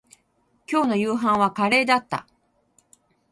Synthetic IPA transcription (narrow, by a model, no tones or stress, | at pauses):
kʲo̞ːno̞jɯːɦãɰ̃βakaɾe̞ːd̪at̪ːa̰